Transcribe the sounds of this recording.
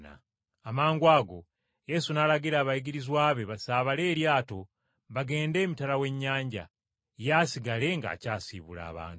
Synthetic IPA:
na̰ | amaːŋɡwaːɡo̞̰ | je̞sunaːlaɡiɾaːβajiɡiɾizwaːβe̞βasaːβale̞ːɾjaːto̞ | βaɡe̞ːnde̞ːmitalawe̞ɲːaːɲɟa̰ | jaːsiɡale̞ŋɡa̰ːcaːsḭβula̰ːβa̰ːntu

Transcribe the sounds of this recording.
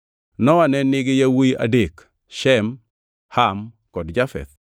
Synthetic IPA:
nɔwanɛnɪɡɪjawija̰dek | ʃɛm | ham | kɔdd͡ʒafɛ̰t̪̚

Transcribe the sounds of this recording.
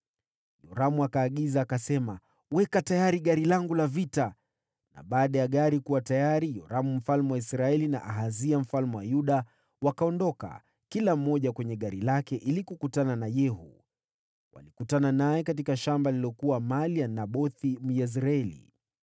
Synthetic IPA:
jɔɾamuakaːɠizaːkasɛma | wɛkatajaɾiɠaɾilaŋɡulavita | na̰ɓaːɗajaɠaɾikuwatajaɾijɔɾamum̩falmɛwaisɾaɛlina̰ʔaɦaziam̩falmɛwajuɗa | wakaɔndɔka̰ | kilam̩ːɔʄakwɛɲɛɠaɾilakɛʔilikukutananajɛɦṵ | wa̰likutananajɛkat̬ikaʃambaliliɔkuwamalianaɓɔθim̩jɛz̬ɾaɛlḭ

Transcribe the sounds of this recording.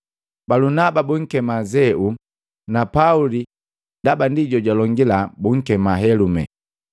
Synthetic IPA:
balunababuŋ̩kɛmazɛu | napauli | ndabandiɟɔɟalɔŋɡilabuŋ̩kɛmaɦɛlumɛ̰

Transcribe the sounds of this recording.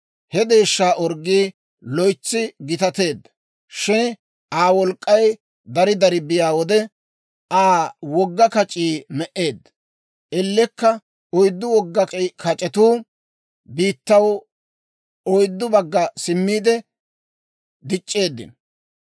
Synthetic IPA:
hɛd̪e̞ːʃːaːʔɔɾɡiː | lɔjt͡sːɪɡɪt̪ɐt̪e̞ːd̪ːɐ̥ | ʃɪn | ʔaːwɔlkʼːɐj | d̪ɐɾɪd̪ɐɾɪbɪjaːwɔd̪ɛ | aːwɔɡːɐkɐt͡ʃʼiːmɛʔe̞ːd̪ːɐ | ʔɛlːɛkːɐ | ɔjd̪ːʊwɔɡːɐkɐt͡ʃʼɛt̪uː | biːt̪ːɐw | ɔjd̪ːʊbɐɡːɐsɪmːiːd̪ɛ | d̪ɪt͡ʃʼːe̞ːd̪ːɪ̰n

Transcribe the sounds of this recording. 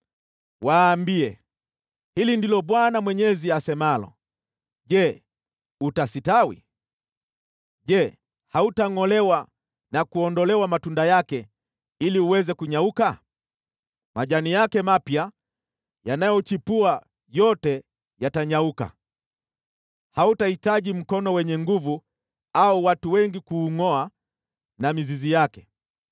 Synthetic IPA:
waːmbiɛ | hilindilɔɓwanamwɛɲɛziasɛmalɔ̰ | ʄɛ | utasitawḭ | ʄɛ | hautaŋɔlɛwa | nakuɔndɔlɛwamatundajakɛ | iliuwɛzɛkuɲauka | maʄanijakɛmapja | janajɔt͡ʃipua | jɔtɛ | jataɲauka̰ | hautahitaʄim̩kɔnɔwɛɲɛŋɡuvu | auwatuwɛŋɡikuːŋɔa | namizizijakɛ

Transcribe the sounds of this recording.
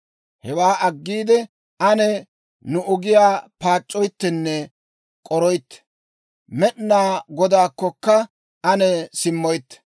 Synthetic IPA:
hɛwaːʔɐɡːiːd̪ɛ | ʔɐnɛ | nʊʔʊɡɪjaːpaːt͡ʃʼːɔjt̪ːɛnːɛ | kʼɔɾɔjt̪ːɛ̥ | mɛɗnaːɡɔd̪aːkːɔkːɐ | ɐnɛsɪmːɔjt̪ːɛ̥

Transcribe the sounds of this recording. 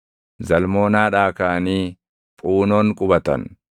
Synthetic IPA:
zɐlmo̞ːnaːᶑaːkaːniː | pʼuːnoːŋkʼʊbɐt̪ɐ̰n

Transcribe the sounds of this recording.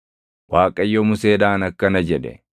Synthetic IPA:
waːkʼɐjːɔmʊseːd̪aːnɐkːɐnɐd͡ʒɛᶑɛ̰

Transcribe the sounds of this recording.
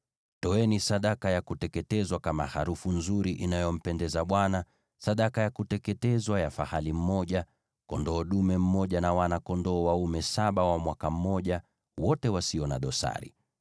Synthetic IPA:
tɔɛnisaɗakajakutɛkɛtɛzwakama̰ha̰ɾufunzuɾiʔinajɔm̩pɛndɛzaɓwana | saɗakajakutɛkɛtɛzwajafahalim̩mɔʄa | kɔndɔːɗumɛm̩mɔʄanawanakɔndɔːwaumɛsaɓawamwakam̩mɔʄa | wɔtɛwasiɔnaɗɔsa̰ɾḭ

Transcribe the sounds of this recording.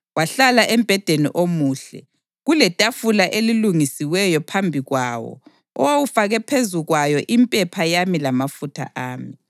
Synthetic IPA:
waɬalaʔɛmb̥ʱɛd̥ʱenḭʔomuːɬɛ̰ | ɣulɛtʼafulaʔeliluŋisiwɛjɔpʰambʱiɣwawɔ̰ | ɔwawufaɣɛpʰezuɣwajɔʔimpʼɛpʰajamilamafutʰa̰ʔaːmi

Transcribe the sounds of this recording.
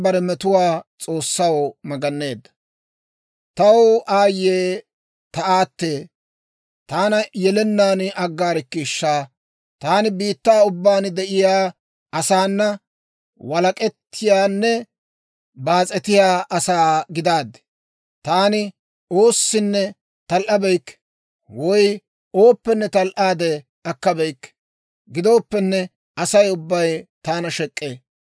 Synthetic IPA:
bɐɾɛmɛt̪ʊwaːt͡sʼo̞ːsːɐwmɐɡɐnːe̞ːd̪ːɐ̥ | t̪ɐwaːjːeː | t̪ɐaːt̪ːeː | t̪aːnɐjɛlɛnːaːnɐɡːaːɾɪkːɪʃːaː | t̪aːnɪbiːt̪ːaːʊbːaːnd̪ɛʔɪjaː | ʔɐsaːnːɐ | wɐlɐkʼɛt̪ʰːɪjaːnːɛ | baːt͡sʼɛt̪ɪjaːʔɐsaːɡɪd̪aːd̪ːɛ̥ | t̪aːnɪ | o̞ːsːɪnːɛ | t̪ɐlʔɐbɛjkː | wɔj | oːpːɛnːɛt̪ɐlʔaːd̪ɛ | ɐkːɐbɛjkː | ɡɪd̪o̞ːpːɛnːɛ | ɐsɐjʊbːɐjt̪aːnɐʃɛkʼːeː

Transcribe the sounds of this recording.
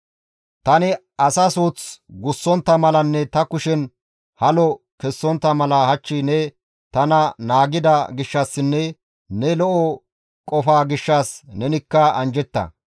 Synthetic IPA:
t̪ɐnɪ | ɐsɐsuːt͡sɡʊsːɔnt̪ːɐmɐlɐnːɛt̪ɐkʊʃɛn | hɐlɔ | kɛsːɔnt̪ːɐmɐlɐhɐt͡ʃːɪnɛ | t̪ɐnɐnaːɡɪd̪ɐɡɪʃːɐsːɪnːɛ | nɛlɔʔɔ | kʼɔfaːɡɪʃːaːsnɛnɪkːɐɐnd͡ʒɛt̪ːɐ̰

